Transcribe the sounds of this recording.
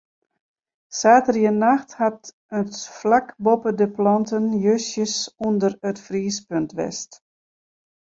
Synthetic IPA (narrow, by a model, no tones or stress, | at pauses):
saːtərjənaxthat | ətflakbopədəplɑntənjøsjəsundərətfriːspøntʋɛ̰st